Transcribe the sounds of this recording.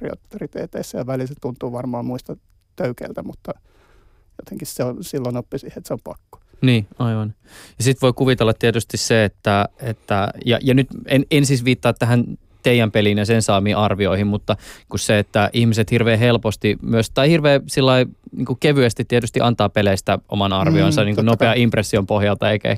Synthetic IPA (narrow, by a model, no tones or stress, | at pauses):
rio̰t̪ːerit̪ḛːt̪eisːæjɑʋælilset̪unt̪uːʋɑrmɑːmmuist̪ɑ | t̪øykḛilt̪æmut̪ːɑ | jot̪eŋkisseonsilːonopːisiːhet̪seompɑkːo̥ | niːɑiʋɑn | jɑsit̪ʋoikuʋit̪elːɑt̪t̪iet̪yst̪isseet̪ːæet̪ːæjɑ̰jɑnyt̪enensisʋiːt̪ːɑːt̪t̪æɦæn | t̪eijæmpelinjɑsensɑːmiʔɑrʋioihimmut̪ːɑkusseet̪ːæʔihmiset̪hirʋeːɦelpost̪imyøst̪ɑihirʋeːsilːɑiniːŋkukeʋyæst̪it̪t̪ːiet̪yst̪iʔɑnt̪ɑːppeleist̪æʔo̰mɑnɑrʋionsɑniːkunopeɑimpresːiompohjɑlt̪ɑeikæ̰ḛ